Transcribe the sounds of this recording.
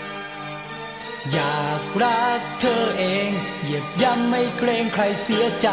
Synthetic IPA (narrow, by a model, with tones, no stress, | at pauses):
jaː˩k̚ɾa˦˧˥k̚t̪ʰɤː˧ʔeː˧ŋji˨˩˦əp̚ja˧˥mːa˥˩jkʰɾleː˧ŋkʰɾa˧jsi˨˦ɐt͡ɕa˧